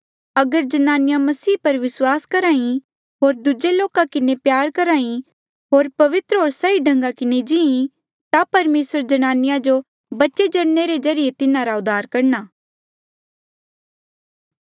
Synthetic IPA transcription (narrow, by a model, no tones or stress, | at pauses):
ɐɡəɾd͡ʒɐnaːnɪjamɐsiːpɐɾʋɪswaːskɐɾaːĩ | ɦoːɾd̪ʊd͡ʒeloːkakɪnepjaːɾkɐɾaːĩ | ɦoːɾpɐʋɪt̪ɾəɦoːɾsaiɖʱɐ̃ŋɡakɪned͡ʒɪ̃ĩ | t̪apɐɾmeːsəɾd͡ʒɐnaːnɪjad͡ʒo | bɐtːʃed͡ʒɐɽneɾezɐɾɪjet̪ɪnãɾaʊd̪ʱaːɾkɐɾnaː